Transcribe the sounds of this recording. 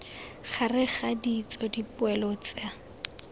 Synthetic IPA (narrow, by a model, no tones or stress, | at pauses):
χʰarɪχadit͡sɔdipʊɛlɔt͡sɪa